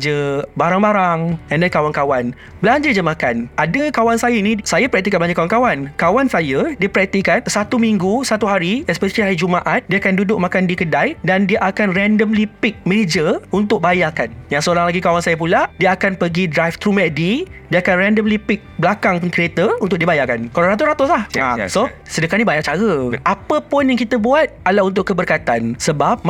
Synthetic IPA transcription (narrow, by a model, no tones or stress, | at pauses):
d͡ʒəbaɾaŋbaɾaŋɛ̃ndɛnkawankawan | bəlaɲd͡ʒəd͡ʒəmakanʔadəkawansajainisajapəɾɛk̚t̪ikanblaɲd͡ʒakawankawankawansajadiəpɾɛk̚t̪ikansat̪umiŋɡusat̪uɦaɾiɛspɛsaliɦaɾid͡ʒumaʔat̪̚diaakandudʊʔ̚mãkandikədajdandiaʔakanrɛndəmlipik̚mɛd͡ʒəunt̪ʊk̚bajakanjaŋsəoɾaŋlaɡikawaŋsajəp̬uladiəakanpəɡidɾajft̪ɾumɛʔ̚didiəakanrɛndəmlipɪk̚blakaŋpənkɾiet̪əunt̪ʊk̚diəbajakankalaɾat̪ʊsɾat̪ʊslahaso | sədəkanĩbajaʔt͡ʃaɾəʔapəpʊnjaŋkit̪əbuat̪alaunt̪ʊʔkːəbərkat̪ansəbap̚